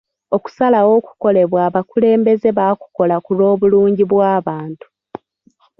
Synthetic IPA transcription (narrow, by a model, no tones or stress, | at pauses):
o̞ku̥salawo̞ːku̥ko̞le̞βwaːβakule̞ːmbe̞ze̞βaku̥ko̞lakulo̞ːβuluːɲɟiβwaːβaːntu̥